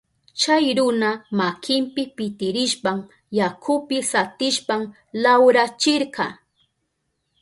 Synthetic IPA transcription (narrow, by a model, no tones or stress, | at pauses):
t͡ʃajɾʊnamakʰɪmpɪpɪt̪ɪɾɪʃpam | jakʰʊpɪsat̪ɪʃpam | lawɾat͡ʃɪɾɢɑ